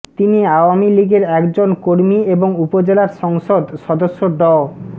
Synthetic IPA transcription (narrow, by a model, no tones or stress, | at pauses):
t̪iniawamiliɡeɾɛkd͡ʑonkoɾmieboŋupod͡ʑelaɾʃɔŋʃod̪ʃɔd̪oʃːod̪ɔo